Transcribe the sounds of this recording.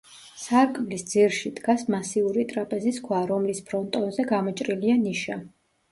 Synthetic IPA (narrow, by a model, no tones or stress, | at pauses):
saɾkʼvlisd̪ziɾʃid̪̥ɡasmasiuɾit̪ʼɾapʼɛziskʰwaɾɔmlispʰɾɔnt̪ʼɔnzɛɡamɔt͡ʃʼɾilianiʃa